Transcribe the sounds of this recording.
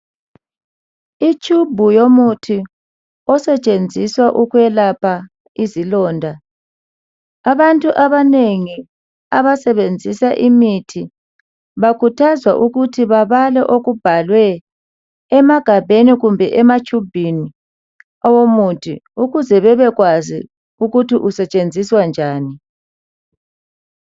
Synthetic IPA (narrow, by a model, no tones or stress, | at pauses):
it͡ʃʼubʱujomutʰi | ɔsɛt͡ʃʼend͡zʱiswaʔuɣwɛlapʰa | izilɔːndʱa | βantʼuʔaβaneŋi | aβasɛβend͡zʱisaʔimitʰi | βakʰutʰazwa̰ʔuɣutʰiβaβalɛ̰ʔoɣub̥ʱalwɛː | maɡ̥ʱabʱeniɣumbʱɛʔɛmat͡ʃʰʼub̥ʱini | ɔwomutʰḭuɣuzɛβɛβɛɣwazḭ | uɣutʰiʔusɛt͡ʃʼend͡zʱiswand͡ʒʱaːni